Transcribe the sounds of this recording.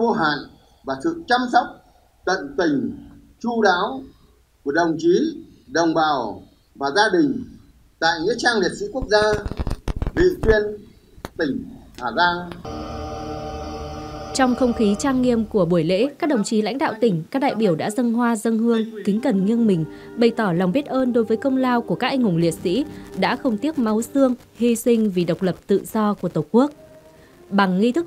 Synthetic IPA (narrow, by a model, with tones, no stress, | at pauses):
vo˧ɦa̰ː˧˨n | vaː˨˩t̪ʰɨ̰˧˨t͡ɕa˧msɔ˦˥wk͡p̚ | t̪ə̰˧˨nt̪ï˨˩ŋ̟ | t͡ɕu˧ɗa̰ː˧˦˥w | ku˧˩əɗə˨˩wŋ͡mt͡ɕi˨˦ | ɗə˨˩wŋ͡mɓaː˨˩w | vaː˨˩zaː˧ɗï˨˩ŋ̟ | t̪a̰ː˧˨jɲḭ˧˥t͡ɕaː˧ŋli˨˩ət̚sḭ˧˥ku˦˥ək̚zaː˧ | vḭ˧˨t̪wi˧ən | t̪ï˨˩ŋ̟haː˨˧˩zaː˧ŋ | t͡ɕɔ˧wŋ͡mxə˧wŋ͡mxi˨˦t͡ɕaː˧ŋːi˧əmku˧˩əɓu˧˩əjlḛ˧˥kaː˦˥k̚ɗə˨˩wŋ͡mt͡ɕi˨˦la̰˧˥jŋ̟ɗa̰ː˧˨wt̪ï˨˩ŋ̟kaː˦˥k̚ɗa̰ː˧˨jɓi˧˩əwɗa̰ː˧˥zə˧nɦwaː˧zə˧ŋhɨ˧əŋk̪ï˨˦ŋ̟kə˨˩nŋi˧ənmï˨˩ŋ̟ | ɓə˨˩jt̪ɔ˧˩la˨˩wŋ͡mɓi˦˥t̚ʔəː˧nɗo˨˦jvəː˨˦jkə˧wŋ͡mlaː˧wku˧˩kaː˦˥k̚ʔa˧ŋ̟hʊ˧˩ŋ͡mli˨˩ət̚sḭ˧˥ɗa̰ː˧˥xə˧wŋ͡mt̪i˦˥əp̚ma˨˦wsɨ˧əŋ | hi˧sï˧ŋ̟vi˨˩ɗə˨˩wk͡p̚lə˨˩p̚t̪ɨ̰˧˨z̥ɔ˧ku˧˩ət̪ə˨˩ku˦˥ək̚ | ɓa˨˩ŋːi˧t̪ʰɨ˦˥k̚